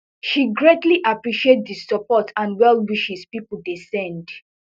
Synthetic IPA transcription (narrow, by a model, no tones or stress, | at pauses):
ʃiɡɹetliʔapɹiʃietdisɔpɔtʰãnwɛlˠwiʃispipl̩desɛ̃nd